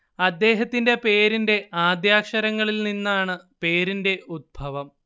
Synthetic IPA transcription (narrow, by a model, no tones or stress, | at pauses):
ɐd̪ːe̞ːɦɐt̪ːinde̞pe̞ːɾinde̞ʔaːd̪jaːkʂɐɾɐŋːɐɭilninːaːɳɨpe̞ːɾinde̞ud̪̚bʱɐʋɐm